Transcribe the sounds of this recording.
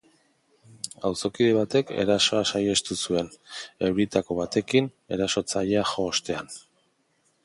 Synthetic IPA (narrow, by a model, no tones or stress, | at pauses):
awso̞kiðe̞β̞at̪e̞ke̞̰ɾaso̞asaje̞st̪usue̞ne̞wɾit̪ako̞β̞at̪e̞kin | e̞ɾaso̞t͡saʎaxo̞ːst̪e̞an